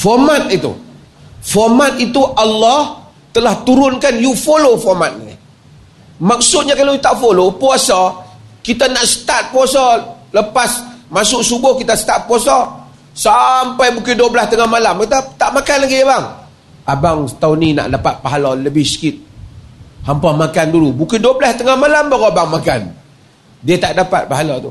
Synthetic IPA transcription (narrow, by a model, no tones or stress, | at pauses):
fɔrmat̪̚it̪ṵ | fɔmat̪̚it̪uʔalːɑh | t̪əlaht̪uɾʊnkanjufolofɔrmat̪̚nḭ | mak̚sʊt̪̚ɲakaloit̪aʔfolopuasɔkit̪anaʔsə̥t̪at̪̚puasɔləpasmasʊʔsuɡʊhkit̪asə̥t̪at̪̚puasɔ | sampajbukɪduəbəlast̪əŋahmalamkit̪at̪aʔmakanlaɡiabaŋ | abaŋt̪aunina̰ʔdapat̪̚paɦalɔləbɪhsə̥kɪt̪̚ | hampamakandulubukɪduəbəlast̪əŋahmalambaɡɔabaŋmaka̰n | diət̪aʔdapat̪̚paɦalɔt̪ṵ